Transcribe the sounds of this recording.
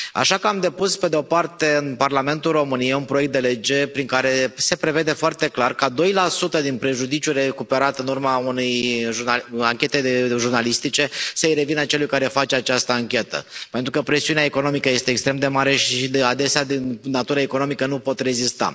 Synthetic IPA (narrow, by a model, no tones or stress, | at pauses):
a̰ʃakamd̪e̞puspe̞d̪eo̞part̪e̞ɨnparlame̞nt̪ulro̞mɨnijejunpɾoe̞k̚t̪d̪e̞le̞d͡ʒe̞pɾiŋkaɾe̞se̞pɾe̞ve̞d̪e̞foart̪e̞klarkad̪o̞jlasut̪əd̪inpɾe̞ʒud̪it͡ʃʲure̞kupe̞ɾat̪ɨnurmaunejʒuaaŋkʲe̞t̪eeʒurnalist̪it͡ʃe̞səɨjɾe̞vinat͡ʃe̞lujkaɾe̞fat͡ʃeat͡ʃast̪əaŋkʲe̞t̪ə̰pent̪ɾukəpɾe̞siuneaeko̞no̞mikəje̞st̪eːkst̪ɾe̞md̪e̞maɾe̞ʃiad̪e̞sead̪inːat̪uɾəeko̞no̞mikənupo̞t̪re̞zist̪a̰